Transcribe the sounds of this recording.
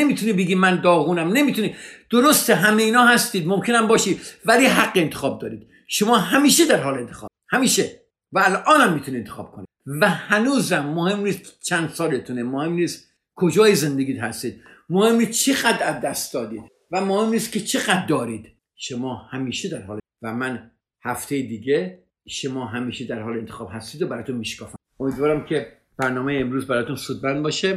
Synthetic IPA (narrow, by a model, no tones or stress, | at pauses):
emiːt̪ʰuniːbeɡiːmænd̪ɒːɣuːnæmne̞miːt̪ʰuniːd̪̥oɾost̪eɦæmejiːnɒːhæst̪iːd̪momkʰe̞næmbɒːʃiːd̪væliːɦæɡːeːnt̪ʰe̥xɒːb̚d̪ɒ̰ːɾiːd̪̥ | ʃomɒːɦæmiːʃed̪æɾɦɒːleent̪ʰexɒ̰ː | hæmiːʃe | væælʔɒːnæmːiːt̪ʰunient̪ʰexɒ̰ːb̥̚kʰonḭ̥ | væhænuːzæmːohe̞mniːst̪kʰt͡ʃʰænd̪sɒːlet̪ʰunemohe̞mniːst̪ | kʰod͡ʒɒːjezend̪eɡiːd̪hæst̪iːd̪̥̚ | mohe̞mniːt͡ʃʰeɣæd̪ɾæzd̪æst̪̚d̪ɒːd̪iːd̪̥ | væmohe̞mniːst̪kcʰet͡ʃʰe̞ɣæd̪̚ːɒːɾiːd̪̥ | ʃomɒːhæmiːʃed̪æɾɦɒːlevæmæn | hæft̪ʰejed̪iːɟe | ʃomɒːɦæmiːʃed̪æɾhɒːlent̪ʰexɒːb̥ɦæst̪iːd̪obæɾːjt̪unmiːʃkʰɒːfæ | omiːd̪vɒːɾæmkʰe | b̥æɾnɒːmejeːmɾuːzbæɾɒːjet̪ʰunsuːd̪̚bænd̪̚bɒːʃe